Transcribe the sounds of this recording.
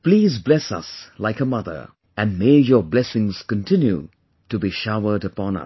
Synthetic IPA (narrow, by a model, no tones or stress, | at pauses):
pliːzblɛsʌ̰slaɪkəmʌðə̰˞ | ʔɨ̃nmeɪjɔblɛsɪ̃ŋz̥kə̃ntʰɪ̃njṵ | tubiʃaʊə˞dəpɔ̃nʌ̰s